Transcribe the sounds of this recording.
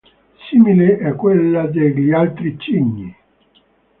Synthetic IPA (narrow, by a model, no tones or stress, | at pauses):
simileʔɛkːwelːad̪eʎialt̪ɾit͡ʃːiɲːi